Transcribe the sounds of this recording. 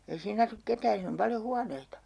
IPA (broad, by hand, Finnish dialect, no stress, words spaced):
ei siːn ɑsuk ketæːn̞ siːn om pɑljo huɑneitɑ